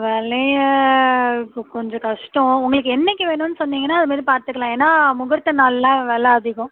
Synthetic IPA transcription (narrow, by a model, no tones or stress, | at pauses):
ʋɛɭɐjɐ | pkɔɲd͡ʒɔ̃kɐʂʈɔ̃ʊŋɡɐɭɯkːɯɛnːɛk̬ʲːɯʋeːɳʊnːɯsɔnːiːŋɡɐnːaːɐðɯmaːd̪ɾipaːɾt̪ɯkːɐɭãːeːnːaːmʊɣɐɾt̪ːɐnaːllãːʋɛɭɐɐðɪɣʊ̃